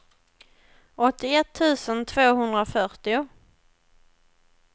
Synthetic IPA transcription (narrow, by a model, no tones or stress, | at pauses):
ʔɔt̪ːɪɛt̪ʰːʉ̟ːsənt̪ʰvoːɦɵnd̪ɾafœɾʈɪʊ